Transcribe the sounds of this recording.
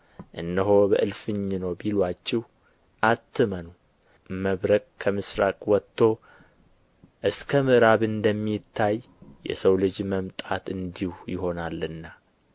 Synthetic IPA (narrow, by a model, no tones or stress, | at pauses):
ʔɨnːəɦo̞bəʔɨlfɨɲːnəwbilwat͡ʃːɛh | ʔat̪ʰːɨmənu | məβɾəkʼkʰəmɨsɾakʼwɔt̪ʰːo̞ | ʔɨskʰəmɨɾaβɨnd̪əmːit̪ʰːaj | jɛ̰səwlɨd͡ʒməmt̪ʼat̪ɨnd̪ihujɪɦo̞nalɨnːa